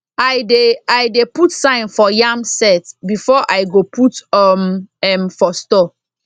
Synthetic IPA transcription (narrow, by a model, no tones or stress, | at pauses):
ajdeajdeputsãɪ̃nfɔjamsɛtbifɔʔajɡopʰutɔmɛmfɔstɔ